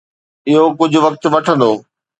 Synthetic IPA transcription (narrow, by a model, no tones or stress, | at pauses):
ɪɦokʊd͡ʑʱʊ̆ʋɐk̚t̪ʋɐʈʰə̃nd̪oː